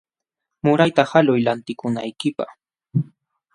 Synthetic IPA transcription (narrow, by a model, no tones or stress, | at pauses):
mʊɾajt̪ahalʊjlant̪ɪkʊnajkɪpa̰χ